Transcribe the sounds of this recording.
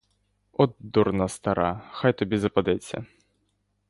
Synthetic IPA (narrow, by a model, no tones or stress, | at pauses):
ɔd̪urnɐst̪aɾaxajt̪ʊbʲizɐpad̪ɛt͡sʲɐ̰